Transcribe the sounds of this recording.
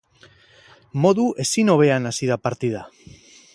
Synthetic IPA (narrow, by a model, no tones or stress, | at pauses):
mo̞ðuʔe̞sino̞β̞e̞anasiðapaɾt̪ið̞a